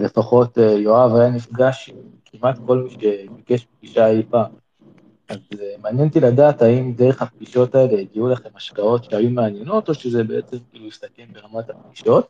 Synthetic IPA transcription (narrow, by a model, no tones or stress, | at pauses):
le̞faχo̞tejoavajanifɡaʃim | kʰimʔat̪ko̞lmiʃe̞bike̞ʃbip̚ɡ̥iʃaipa | azmeanjentiladaːtaimde̞ʁeχhap̚ɡiʃo̞tae̞le̞iɡiulaχe̞maʃkao̞tʃeajumeanje̞no̞t̪o̞ʃezebe̞et͡se̞mkiːlujist̪akembe̞ʁamathap̚ɡiʃo̞t̚